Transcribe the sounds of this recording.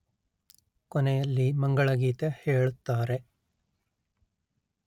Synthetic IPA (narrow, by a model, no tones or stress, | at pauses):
kɔnɛjɐlːimɐŋɡɐɭɐɡiːt̪eheːɭut̪ːaːɾe